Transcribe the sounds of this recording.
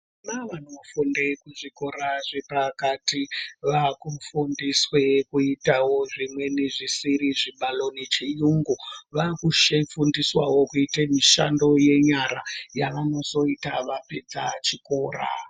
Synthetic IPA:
maʋanofundekuʐiko̞ɾaʐepakatiʋakufundiswekuitawo̞ʐimwe̞niʐisiɾiʐiɓalo̞nit͡ʃijuŋɡuʋakuʃefundiswawo̞kuitemiʃa̰ndo̞je̞ɲaɾajaʋano̞so̞itaʋape̞d͡zat͡ʃiko̞ːra̰

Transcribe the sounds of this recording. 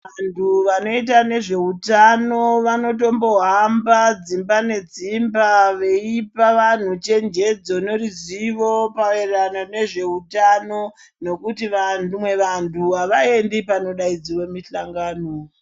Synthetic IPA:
antʰuʋano̞it̬ane̞ʐe̞utano̞ʋano̞t̬o̞mbo̞ɦambad͡zimbane̞d͡zimbaʋe̞ipaʋan̤ut͡ʃe̞nd͡ʒe̞d͡zonoriziʋo̞paʋeranane̞ʐe̞utano̞ | no̞kutiʋanumwe̞ʋantʰuaʋae̞ndipano̞ɗaid͡ziwomiɬaŋɡaːno

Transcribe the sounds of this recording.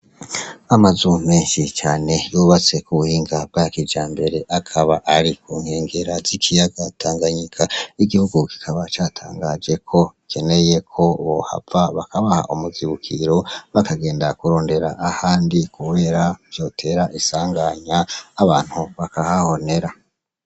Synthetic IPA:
amazumeːnʃit͡ʃaːne̞juβat͡se̞kuβuhiːŋɡab̚ɡakid͡ʒaːmbe̞ɾe̞ʔakʰaβaʔaɾikʰuːŋhe̞ːŋɡe̞ɾazikʰijaɡatʰaːŋɡaɲikʰaiɡihuɡuki̥kʰaβat͡ʃaːtʰa̰ːŋɡad͡ʒe̞kʰo̞ikʰe̞ne̞je̞kʰo̞βo̞̰ha̰vaβakaβaha̰ʔumuziβukʰiɾo̞βakaɡe̞ːndakuɾo̞ːnde̞ɾa̰ʔːhaːndikuβe̞ːɾavjo̞ːtʰe̞ːɾaʔisaːŋɡaɲaːβaːn̥huβakahaho̞ne̞ɾa

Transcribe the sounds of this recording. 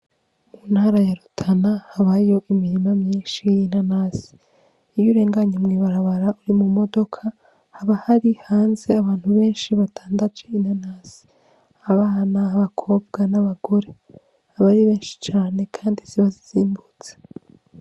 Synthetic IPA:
munhaːɾajaɾutʰanahaβaijo̞ʔimiɾimamɲiːnʃijinanasi̥ | ijuɾe̞ːŋɡaɲamŋiːβaɾaβaɾauɾimumo̞do̞kʰa | haβahaɾihaːnze̞aβaːnhuβe̞ːnʃiβatʰaːndad͡ʒeinhanaːz̥i̥ | aβaːnaːβakʰo̞ːb̚ɡ̥anaβaɡ̥o̞ɾe̞ | haβaɾiβe̞ːnʃi̥t͡ʃaːne̞kʰaːndisiβaziz̥iːmbut͡se̥

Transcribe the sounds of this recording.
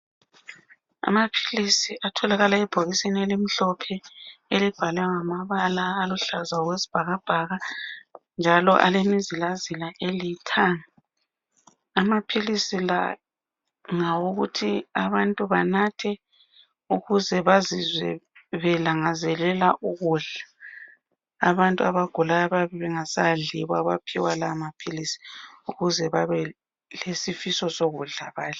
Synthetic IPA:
a̰mapʰi̥lisiʔatʰɔlaɣalaɛb̥ʱoɣisenelimiɬɔpʰɛelib̥ʱalaŋamaβalaːluɬazaɣwesi̥b̥ʱaɣab̥ʱaɣa | nd͡ʒʱalɔ̰ʔa̰lemizilazilaʔelitʰaŋi | amapʰilisila̰ | ŋawuɣutʰiaβantʼuβanatʰɛ | uɣuzɛβazizwɛβɛlaŋazɛlɛlaʔuɣuɮa | βantʼuaβaɡ̥ʱulajaβaβɛβɛŋasaɮiβaβapʰiwalamapʰilisi̥uɣuzɛβaβɛ | lesifisɔsoɣuɮaβaːli

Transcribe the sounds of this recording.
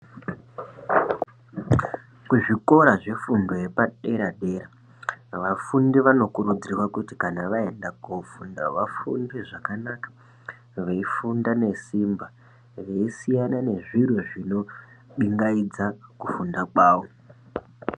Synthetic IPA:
kuʐiko̞ɾaʐe̞fundo̞je̞paɗe̞ɾaɗe̞ɾa | ʋafundiʋano̞kuɾud͡zirwakuti̥kanaʋae̞ndakufunda̰ʋafṵndiʐakanakḁ | ʋeifundane̞simba | ʋe̞isijanane̞ʐirwoʐino̞ | ɓiŋɡaid͡zakufundakwaːʋo

